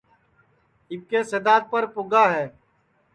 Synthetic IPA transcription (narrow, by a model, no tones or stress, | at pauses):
ɪb̚kesed̪aːt̪̚pəɾpʊɡaɦɛː